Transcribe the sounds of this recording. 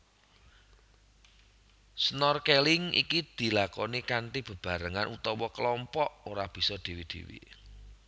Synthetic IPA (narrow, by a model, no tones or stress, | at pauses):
snɔrkelɪŋḭkid̪̥i̤lakɔnikaɳʈib̥ə̤b̥a̤ɾəŋanʔut̪ɔwɔkəlɔmpɔʔoɾab̥i̤sɔd̪̥i̤wid̪̥i̤̰wḭ